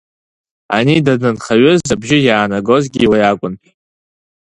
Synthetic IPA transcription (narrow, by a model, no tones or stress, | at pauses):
a̰nidadnɨnχaɥʏzabʒɪjaːnaɡo̞zɡʲiwajakʷʼʊn